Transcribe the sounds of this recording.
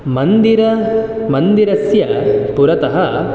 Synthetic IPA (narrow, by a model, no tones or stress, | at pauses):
mɐnd̪iɾɐ | mɐnd̪iɾɐsjɐpuɾɐt̪ɐɦɐ